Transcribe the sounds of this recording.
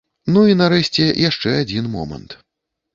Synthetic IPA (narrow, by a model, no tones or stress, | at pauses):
nuinaɾɛɕʲt͡sʲɛjaʂt͡ʂɛad͡zʲinmɔ̰mɐ̰nt̪